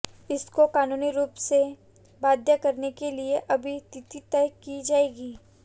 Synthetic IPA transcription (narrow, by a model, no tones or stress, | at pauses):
ɪskokaːnuːniɾuːpse | baːd̪ʱjəkɐɾnekelieʔɐbʱit̪ɪt̪it̪ɛjkid͡ʒaːeːɡiː